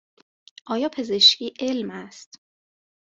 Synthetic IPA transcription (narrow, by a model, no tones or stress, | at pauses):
ʔɒːjɒːpʰe̞ze̞ʃciːʔelmæst̪